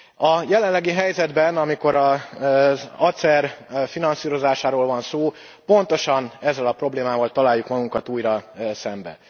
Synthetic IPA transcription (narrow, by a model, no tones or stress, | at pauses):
ɒjɛlɛnlːɛɡiɦɛjzɛd̪bɛnɒmiko̞ɾɒzɒt̪sɛrfinɒnsiːɾo̞zaːʃaːɾoːlvɒnsoː | po̞nt̪o̞ʃɒnɛzːɛlɒpro̞bleːmaːvɒlt̪ɒlaːjːukmɒɡuŋkɒt̪uːjɾɒsɛmbɛ̰